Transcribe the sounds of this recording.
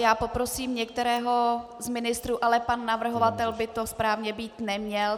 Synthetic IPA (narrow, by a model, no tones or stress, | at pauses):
jaːpo̞pɾosiːmɲɛk̚t̪ɛɾɛːɦo̞ | zmɪnɪst̪ɾuːʔalɛpanːavr̩ɦovat̪ɛlbɪt̪o̞spɾaːvɲɛbiːt̪nɛmɲɛl